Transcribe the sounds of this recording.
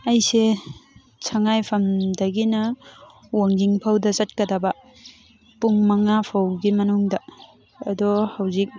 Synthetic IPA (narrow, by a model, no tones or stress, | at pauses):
ɐjse | sʰɐŋajpʰɐmdɐɡinɐ | woŋɡiŋpʰawdɐsɐt̚kɐdɐbɐ | puŋmɐŋapʰawɡimɐnuŋdɐː | dɔhawzik̚